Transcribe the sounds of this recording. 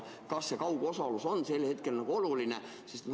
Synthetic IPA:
kɑsːe̞kɑwɡ̥o̞sɑluso̞nːse̞lːhe̞t̪̚ke̞lnɑɡ̥uo̞luline̞ | sist̪

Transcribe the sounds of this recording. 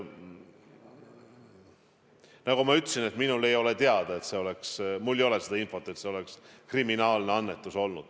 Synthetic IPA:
nɑɡ̥umɑyt̪ːˑsine̞t̪minule̞jo̞le̞t̪eɑd̪̥ɑet̪se̞o̞le̞ksmulːejo̞le̞sed̪ɑinfo̞t̪ːˑet̪se̞o̞le̞kskriminɑːlne̞ɑnːe̞t̪ːˑuso̞lnud̪̥

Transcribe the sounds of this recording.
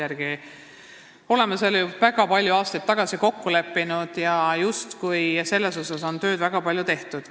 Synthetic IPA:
æɾɡ̥i | o̞le̞meseljuvæɡ̥ɑpɑlʲjuɑːst̪ɑjt̪̚t̪ːɑɡ̥ɑsiko̞kːule̞pːinud̪̥jɑjust̪kujse̞lːe̞so̞sɑso̞nt̪ø̞ːd̪̥væɡ̥ɑpɑlʲjut̪e̞ht̪ud̪̥

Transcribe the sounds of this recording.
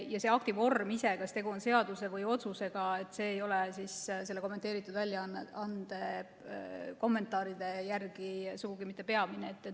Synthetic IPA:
jɑse̞ɑk̚t̪ivo̞rmisekɑst̪e̞ɡuo̞nse̞ɑd̪use̞vɯjo̞t̪suse̞ɡ̥ɑe̞t̪ːˑse̞ːjo̞lesisse̞lːeko̞mːet̪ːˑeːɾit̪ːˑud̪̥vælʲːjɑɑnd̪̥e̞ | ko̞mːe̞nt̪ːˑɑːɾid̪̥e̞jærɡ̥isuɡ̥uɡimit̪ːˑe̞pe̞ɑmineːt̪ːˑe

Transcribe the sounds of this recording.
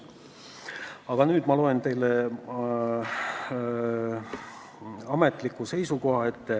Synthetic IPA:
ɑɡ̥ɑnyːd̪mɑlo̞e̞nt̪e̞jle | ɑme̞t̪ˑlikːˑuse̞jsuko̞ɦɑe̞t̪ːe

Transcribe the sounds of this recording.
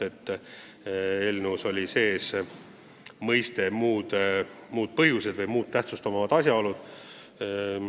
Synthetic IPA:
e̞t̪ː | e̞lnuso̞lʲise̞ːs | mɤjst̪e̞muːd̪̥muːd̪̥̚pɤɦjuse̞d̪vɤjmuːt̪̚t̪ːæht̪sust̪omɑvɑd̪̥ɑsʲjɑo̞lud̪̥

